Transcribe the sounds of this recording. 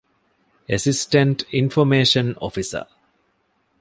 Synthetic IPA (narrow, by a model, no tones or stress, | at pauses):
esisʈə̃ɳʈĩnfomeːʃə̃nɔ̰fisə̰